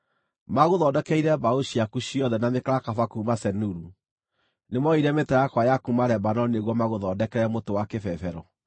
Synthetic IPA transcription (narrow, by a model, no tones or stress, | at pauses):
maɣoðɔdɛkɛiɾɛbaoʃiakuɕiɔðɛnamekaɾakafakuumasɛnuɾu | nemɔiɾɛmetɛajakwajakumaɾɛbanɔnieɣwɔmaɣoðɔdɛkɛɾɛmotowakɛfɛfɛɾɔ